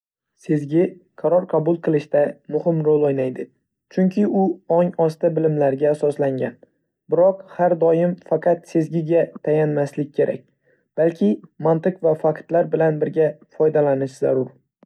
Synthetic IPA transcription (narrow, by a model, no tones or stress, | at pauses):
se̞zɡʲɪqʰɑɾɒɾqʰɑbʊlˠqʰɨlˠɪʃt̪amʊhɪmɾolˠojnajd̪ɪ | t͡ʃʰʊŋkʲʰɪʊɒŋɒst̪abɪlɪmlaɾɡʲaːsɒslaŋɡʲan | bɪɾɒqhaɾd̪ɒjɪmfɑqʰɑt̪se̞zɡʲɪɡʲat̪ʰajanmaslɪk̚ʲkʰʲːe̞ɾʔa̰k̚ʲ | b̥alkʲʰɪmant̪ɨqvafakt̪laɾbɪlanbɪɾɡʲafɒjd̪alanɪʃza̰ɾʊɾ